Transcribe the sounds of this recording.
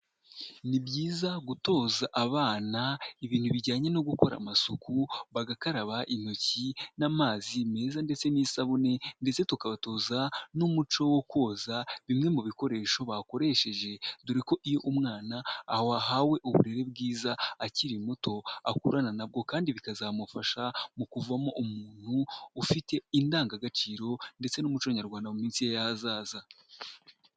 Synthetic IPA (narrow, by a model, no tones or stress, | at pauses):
nibjiːzaɡuto̞ːzaʔaβaːnaiβiːn̥huβiɟaːɲe̞no̞ɡuko̞ɾa̰masukuβaɡakaɾaβaʔin̥ocinamaːzime̞ːzande̞t͡se̞niːsaβune̞nde̞t͡se̞tukaβato̞ːzanumut͡ʃo̞wokwo̞ːzaβimŋe̞muβiko̞ɾe̞ːʃo̞βako̞ɾe̞ːʃe̞ʒe̞duɾiko̞ʔijo̞ʔumŋaːnaːhoaɦawe̞ʔuβṵɾe̞ɾe̞b̚ɡiːzaaciɾimoto̞a̰kuɾananab̚ɡo̞kaːndiβikazamufaʃamukuvamo̞ʔumuːn̥huːfite̞indaːŋɡaɡat͡ʃiːɾo̞nde̞t͡se̞numut͡ʃoɲaɾɡwaːndamumiːnsijejazaːza